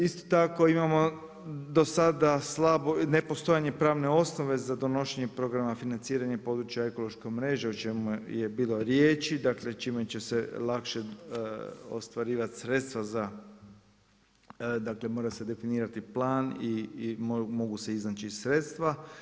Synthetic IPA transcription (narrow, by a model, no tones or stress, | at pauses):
ist̪o̥t̪ako̞imamo̞ | d̪o̞sad̪aslˠabonepo̞st̪o̞jaɲe̞pɾaːʋne̞o̞snoʋe̞zad̪o̞no̞ʃeɲe̞pɾo̞ɡɾamafinant̪siːɾaɲepo̞d̪ɾut͡ʃjae̞ko̞lo̞ʃkomɾe̞ʒeut͡ʃe̞mujebiːlˠo̞ɾjeːt͡ʃid̪akle̞t͡ʃimet͡ʃeselˠakʃe̞ | o̰st̪ʋaɾiːʋat̪sɾe̞t̪st̪ʋaza | d̪akle̞mo̞ːɾase̞d̪e̞finiːɾat̪iplˠaːnimmo̞ɡuse̞iznat͡ʃisɾe̞t̪st̪ʋa